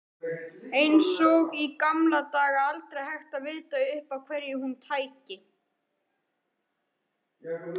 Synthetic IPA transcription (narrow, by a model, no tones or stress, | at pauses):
ejnsɔɣikamlat̪aːɣaalt̪ɾejhajxt̪avɪːðt̪aʏhpakʰv̥ɛɾjɪhunt̪ʰaːjcɪ